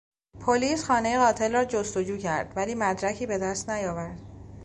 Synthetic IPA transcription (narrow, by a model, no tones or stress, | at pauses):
pʰoliːsxɒːne̞je̞ɣɒːt̪ʰe̞lrɒːd͡ʒost̪o̞d͡ʒuːcʰæɾd̪̥væliːmæd̪ɾæcʰiːbe̞d̪æst̪næjɒːvæɾd̪̥̚